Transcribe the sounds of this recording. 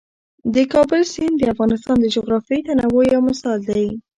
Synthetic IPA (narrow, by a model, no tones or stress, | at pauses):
d̪əkɑbʊlsind̪əafɣɑnɪst̪ɑnd̪əd͡ʒʊɣɾɑfjejt̪anawojawmasɑld̪aj